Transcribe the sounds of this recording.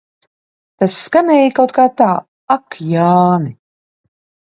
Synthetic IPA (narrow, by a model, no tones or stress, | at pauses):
t̪asːkanɛːjikawt̪̚kaːt̪aː | akʰjaːni